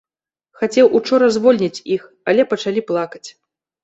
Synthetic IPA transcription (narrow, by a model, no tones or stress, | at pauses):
xat͡sʲɛwʔut͡ʂɔɾɐzvɔlʲnʲit͡sʲix | alʲɛpɐt͡ʂalʲiplˠakɐt͡sʲ